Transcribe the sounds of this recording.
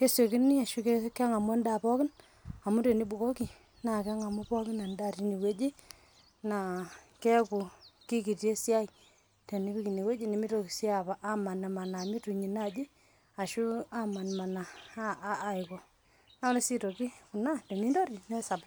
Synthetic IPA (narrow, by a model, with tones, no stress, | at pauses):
ke˦se˨ki˦ni˦a˨ʃu˦ke˦kɛ˦ŋa˨mʊ˦a˦nda˨pɔ˦kɪ˦n | a˨mu˦te˨ni˦bu˨ko˦ki˨ | na˨kɛ˦ŋa˨mu˦pɔ˦kɪ˦na˨nda˦˨ɾi˦ni˨we˦d͡ʒi˦ | na˨kɛ˦ku˨ki˦ki˨te˦sja˦j | te˨ni˦bi˦ki˨ne˨we˦d͡ʒi˦ni˨mi˦to˨ki˨se˦a˨ba˨ʔa˦ma˨na˨ma˨na˨mi˦tu˨ɲi˨na˦˨d͡ʒi˦ | a˨ʃu˦a˦ma˨nma˨naː˨˦˨ | ɪ˨kɔ˨ | na˦le˦si˦to˨ki˦ku˨na˦te˨ni˦ndo˦ɾi˨nɛ˦sa˨b